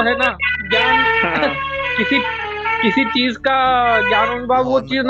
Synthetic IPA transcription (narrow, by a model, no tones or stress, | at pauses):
ɦɛnad͡ʒaːn | kɪsi | kɪsit͡ʃiːzkad͡ʒaːnənbaːbʋot͡ʃiːzn